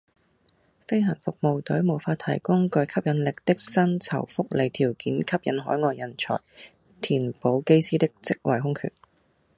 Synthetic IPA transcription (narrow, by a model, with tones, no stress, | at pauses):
fe˥jɦɐ˨˩nfʊ˨k̚mo˨wt̪ɵ˨˥ɥmo˨˩wfaː˧t̪̚ʰɐ˨˩jkʊ˥ŋkɵ˧jkʰɐ˥p̚jɐ˨˧nlɪ˨k̚t̪ɪ˥k̚sɐ˥nt͡sʰɐ̰˨˩wfʊ˥k̚le˨˧jt̪ʰiː˨˩wkiː˨˥nkʰɐ˥p̚jɐ˨˥nɦɔ̰ː˨˥jŋɔː˧jɐ˨˩nt͡ʃʰɔ̰ː˨˩j | t̪ʰiː˨˩npo˨˥wke˥jsiː˥t̪ɪ˥k̚t͡sɪ˥k̚wɐ˨˩jɦʊ˥ŋkʰy̰ː˨˩n